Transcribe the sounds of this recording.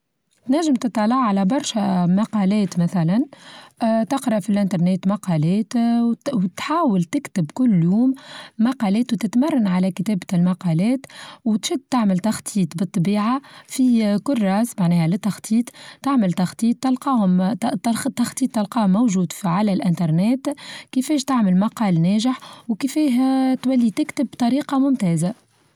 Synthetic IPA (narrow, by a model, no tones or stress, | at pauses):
t̪næʒːəmt̪ɨt̪ˤːɑlɑʕʕalæbɑɾˤʃæmɑqɑlɛːt̪mæθælæn | t̪ɪqɾɑʔfilʔɪnt̪ɑɾˤneːt̪mɑqɑlɛːt̪wt̪ħaːwəlt̪ɪkt̪ɪbkʊlːjuːmːɑqɑlɛːt̪wt̪ɪt̪mɑrˤːɑnʕalækt̪ɛːblmɑqɑlɛːt̪wt̪ʃʊd̪̚t̪aʕmɪlt̪ɑxt̪ˤʰiːt̪ˤbɨt̪ˤːɑbiːʕafikʊlːɾˤɑːsmaʕnɛːhælɪt̪ːɑxt̪ˤʰiːt̪ˤt̪aʕmɪlt̪ɑxt̪ˤiːt̪ːɑlqɑːhʊmt̪t̪ːɑxt̪ˤiːt̪ˤːɪlqɑːmowʒuːd̪fiʕalælʔɪnt̪ɑɾˤnɛːt̪kɪfɛːʃt̪aʕmɪlmɑqɑːlnɛːʒɪħwkɪfiːɦt̪wælːit̪ɪkt̪ɪbːt̪ˤɑɾiːqɑmʊmt̪ɛːza